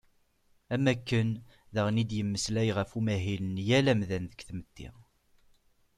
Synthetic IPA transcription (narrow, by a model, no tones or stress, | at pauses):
æmækːən | ðæʁnid̪jəmːəslæjʁəfumæɦilənjælæmðænðəkθəmət̪ːḭʁ